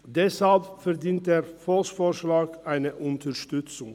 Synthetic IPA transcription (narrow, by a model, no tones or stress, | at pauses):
d̪ɛshɑlpfɛɾd̪iːnt̪eːɾfɔlsfoːɾʃlɑːɡ̥aɪnəʔʊnt̪ʰəʃtʉt̪sʊŋ